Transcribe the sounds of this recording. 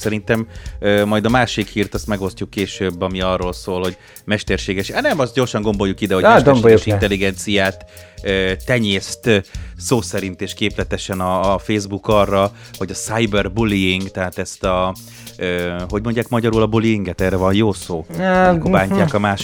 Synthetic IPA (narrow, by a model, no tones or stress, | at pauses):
sɛɾint̪ɛmøːɒjd̪ɒmaːʃikhiːrt̪ɒst̪mɛɡo̞scukːeːʃøːbːɒmiɒrːoːlsoːlho̞ɟ | mɛʃt̪ɛrʃeːɡɛʃnɛmɒst̪̚ɟo̞rʃɒŋɡo̞mbo̞jːukːid̪ɛɦo̞ɛʃɡɛboɛuʃit̪ɛlːiɡɛnt̪sijaːt̪øːɛɲeːst̪soːsɛɾint̪eːʃkeːplɛt̪ɛʃɛnɒːfeːzbukɒrːɒ | ho̞ɟɒsajbɛrbuliiŋɡt̪ɛɦaːt̪ɛst̪ɒ | øːɦo̞ɟmo̞ɲɟaːkmɒɟɒɾulɒbuliiŋɡɛt̪ɛːrɛvɒnjoːsoːkobaːɲcaːkɒmaːʃ